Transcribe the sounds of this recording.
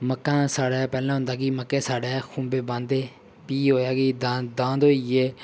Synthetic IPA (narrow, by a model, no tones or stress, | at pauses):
məkːãːsaːɽaːpɛːlãːɦʊ̃nd̪aːkiməkːeːsaːɽeːkʰũːmbeːbãːnd̪eː | piːɦoːjaːɡiːd̪ad̪ãːd̪oːieː